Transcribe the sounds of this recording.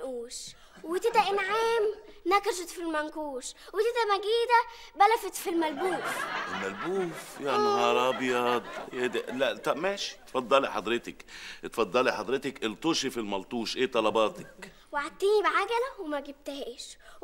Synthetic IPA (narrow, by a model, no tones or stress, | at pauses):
ʔuːʃ | wɪt̪ɪt̪æʔɪnʕaːm | nækʃɪt̪filmænkuːʃwɪt̪ɪt̪æmæɡiːd̪æ | bælæfet̪filmælbuːfɪlmælbuːfjaʕniʔɑɾˤɑːbjɑd̪ed̪ælæʔt̪ɑmæːʃi̥t̪fɑd̪ˤːɑliħɑd̪ˤɾɪt̪ɪkʔt̪fɑd̪ˤːɑliħɑd̪ˤɾɪt̪ɪkʔɪlt̪ˤuːʃifilmɑlt̪ˤuːʃʔeːt̪ˤːɑlɑbɑːt̪ɪ̥k | weʕad̪̚t̪ːiːnibʕaɡælæwemæɡɪb̚t̪ɦeːʃ